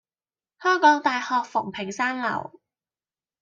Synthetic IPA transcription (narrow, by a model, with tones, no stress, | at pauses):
hœː˥ŋkɔː˨˥ŋt̪aː˨˧jhɔː˨k̚fʊ˨˩ŋpʰɪ˨˩ŋsaː˥ŋlɐ̰˨˩w